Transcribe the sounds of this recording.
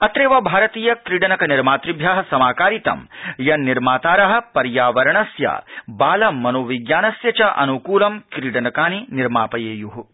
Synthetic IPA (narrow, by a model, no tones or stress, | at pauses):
ɐt̪ɾeːʋɐbʱaːɾɐt̪iːjɐkɾiɖɐnɐkɐniɾmaːt̪ɾibʱjaːɦɐsɐmaːkaːɾit̪ɐ̰mjɐnːiɾmaːt̪aːɾɐɦɐ̆pɐɾjaːʋɐɾɐɳɐsja̰ːbaːlɐmːɐnoːʋiɡjaːnɐsjɐt͡ʃɐʔɐ̰nukuːlɐmkɾiːɽɐnɐkaːniniɾmaːpɐjeːjuɦu